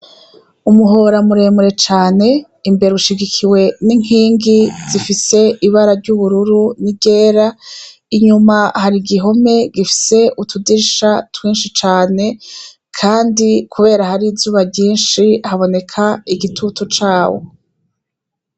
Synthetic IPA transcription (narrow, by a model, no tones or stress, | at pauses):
umuɦo̞ːɾamuɾe̞muɾe̞t͡ʃaːne̞ | imbe̞ɾeuʃiɡikʰiwe̞niŋ̥iːŋɡizifise̞ʔiβaɾaɾɟuβuɾuɾunibɟe̞ːɾa | iɲumahaɾiɡiɦo̞me̞ɡifi̥se̞utudiʃatwiːnʃit͡ʃaːne̞ | kʰaːndikʰuβe̞ːɾahaɾizuːβabɟiːnʃihaβo̞ne̞kʰaiɡitʰutot͡ʃaːwo̰